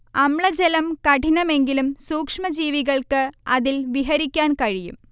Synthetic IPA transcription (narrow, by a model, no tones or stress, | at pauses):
ɐmɭɐd͡ʑelɐmkɐʈinɐme̞ŋɡilumsuːkʂmɐd͡ʑiːʋiɣɐɭkɨɐðilʋiɦɐɾikʲːaːnkɐɻijṵm